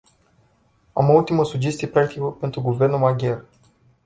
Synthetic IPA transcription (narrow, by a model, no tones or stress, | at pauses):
a̰moult̪iməsud͡ʒe̞st̪ijepɾak̚t̪ikəpe̞nt̪ɾuɡuve̞rnulmaɡʲe̞r